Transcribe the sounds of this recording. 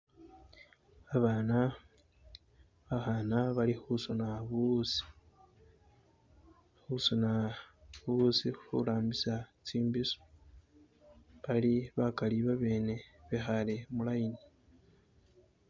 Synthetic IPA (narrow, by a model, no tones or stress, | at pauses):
aβaːna | βahaːnaβalihusonaβusi̥ | husonaβusihṵɾaːmbisat͡siːmbiso̥ | βaliβakaliβaβeːne̞βexaɾe̞mulaini